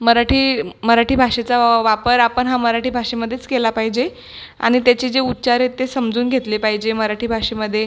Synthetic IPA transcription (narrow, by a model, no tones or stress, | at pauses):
məɾaʈʰiːməɾaʈʰiːbʱaʂet͡saʋapəɾapəɳɦaməɾaʈʰiːbʱaʂeməd̪ʱːjet͡skelapaɦid͡ʑe | a̰ɽ̃it̪jat͡ɕed͡zeut̪̚ːt͡ɕaɾɦet̪ːesəmd͡zuːnɡʱet̪lepaɦid͡ʑeməɾaʈʰiːbʱaʂeməd̪ʱːje